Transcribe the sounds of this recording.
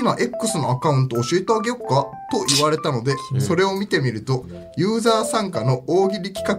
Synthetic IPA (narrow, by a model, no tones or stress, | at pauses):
imaʔe̞kːɯ̟sɨno̞akaɯ̟̃nt̪oːɕie̞t̪aaɡe̞okːat̪o̞ʔiβaɾe̞t̪ano̞d̪e̞so̞ɾe̞o̞mʲit̪e̞mʲiɾɯ̟t̪o̞ | jɯ̟ːzaːsãŋkano̞ʔoːɡʲiɾʲikʲi̥kak